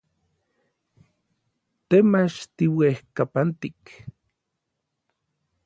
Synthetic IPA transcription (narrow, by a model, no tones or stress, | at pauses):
t̪emat͡ʃt̪iwehkapant̪ik